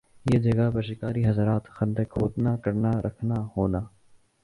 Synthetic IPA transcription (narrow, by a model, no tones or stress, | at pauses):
jeːd͡ʒɐɡabəɾʃɪkaːɾiɦɐzɾaːt̪xə̃nd̪əkɦoːt̪naːkəɾnaɾʔəkʰnahoːnaː